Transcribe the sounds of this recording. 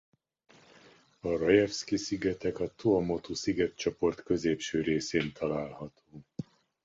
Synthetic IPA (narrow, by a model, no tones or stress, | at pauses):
ɒrojɛfskisiɡɛt̪ɛkɒt̪uɒmo̞t̪usiɡɛt̪t͡ʃopo̞rt̪kø̞zeːpʃøːɾeːseːnt̪ʰɒlaːlhɒt̪ʰoː